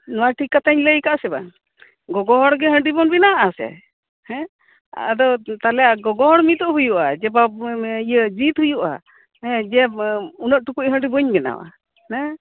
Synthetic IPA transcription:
nɔwaʈʰikːat̪aɲləjkaʔsɛba̰ | ɡɔɡɔɦɔɽɡɛɦəɳɖibɔnbɛnaʔasɛ̰ | hɛ̃ | a̰d̪ɔt̪alɛaɡɔɡɔɦɔɽmit̪ɔʔɦujuʔad͡ʒɛbaijəd͡ʒit̪ɦujuʔa̰ | hɛ̃d͡ʒɛunəʔ̚ʈukucɦəɳɖibəɲbɛna̰wa̰ | nɛ̃

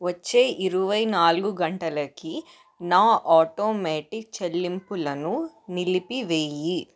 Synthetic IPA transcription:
ʋɐt͡ʃːe̞ːʔiɾuʋɐjnaːluɡuɡɐɳʈɐlɐki | naːʔaːʈoːmeːʈik̚t͡ʃelːimpulɐnu | nilipiʋeːji

